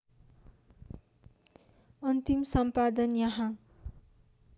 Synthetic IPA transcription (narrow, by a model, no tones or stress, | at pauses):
ʌnt̪imsʌmpad̪ʌnjʌɦã